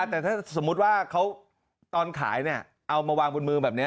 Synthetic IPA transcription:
a˧˩t̪ɛː˨˩t̪ʰaː˥˩so˩˦mːu˦˥t̪̚waː˥˩kʰa˦˥w | t̪ɔː˧nkʰa̰ː˩˦jni˥˩ɐ | ʔa˧wmaː˧waː˧ŋbo˧nmɯː˧bɛː˨˩p̚ni˦˥

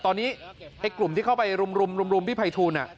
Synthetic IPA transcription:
t̪ɔː˧nːiː˦˥ʔa˧jklu˨˩mt̪ʰiː˥˩kʰa˥˩wpa˧jɾu˧mɾu˧mɾu˧mɾu˧mpʰi˥˩pʰa˧jt̪ʰuː˧nʔa˨˩ʔ

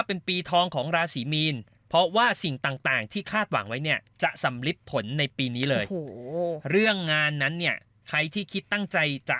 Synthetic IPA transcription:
a˥˩pe˧npiː˧t̪ʰɔː˧ŋkʰɔː˩˦ŋɾaː˧siː˩˦miː˧n | pʰɔ˦˥waː˥˩si˨˩ŋt̪aː˨˩ŋt̪aː˨˩ŋt̪ʰiː˥˩kʰaː˥˩t̪̚wa̰˩˦ŋwa˦˥jni˥˩ɐt͡ɕa˨˩sa˩˦mli˦˥pʰːo˩˦nːa˧jpiː˧niː˦˥lɤː˧jɾɯ˥˩əŋːaː˧nːa˦˥nːi˥˩ɐ | kʰɾa˧jt̪ʰiː˥˩kʰi˦˥t̪ːa˥˩ŋt͡ɕa˧jt͡ɕa̰˨˩

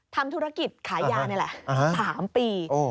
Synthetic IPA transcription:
t̪ʰa˧mt̪ʰu˦˥ɾa˧˥ki˨˩t̪̚kʰaː˩˦jjaː˧n˦˥˩lɛ˨˩ʔʔsaː˩˦mpiː˧ʔoː˧˩

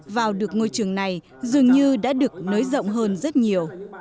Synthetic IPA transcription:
vaː˨˩wɗɨ˨˩ək̚ŋo˧jt͡ɕɨ˨˩əŋna˨˩j | zɨ˨˩əŋɲɨ˧ɗa̰ː˧˥ɗɨ˨˩ək̚nəː˨˦jzə̰˧˨wŋ͡mɦəː˧nzə˦˥t̚ɲi˨˩əw

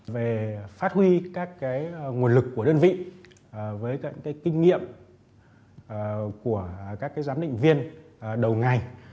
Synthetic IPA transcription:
ve˨˩faː˦˥t̚hwi˧kaː˦˥kːaː˨˦jŋu˨˩ənlɨ˨˩kːu˧˩əɗəː˧nvḭ˧˨˩ | vəː˨˦jkːkaː˨˦jkï˧ŋ̟ŋḭ˧˨əm˨˩ | ku˧˩əkaː˦˥kːaː˨˦jzaː˨˦mɗḭ̈˧˨ŋ̟vi˧ən˩ɗə˨˩wŋa˨˩j

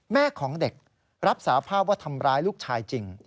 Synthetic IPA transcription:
mɛː˥˩kʰɔː˩˦ŋde˨˩k̚ | ɾa˦˥p̚saː˩˦pʰaː˥˩p̚waː˥˩t̪ʰa˧mɾaː˦˥jluː˥˩k̚t͡ɕʰaː˧jt͡ɕi˧ŋ

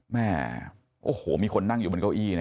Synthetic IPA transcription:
mɛː˥˩ | ʔoː˧˩hoː˩˦miː˧kʰo˧nːa˥˩ŋju˨˩mo˧ka˥˩wʔiː˥˩n˧˦˥

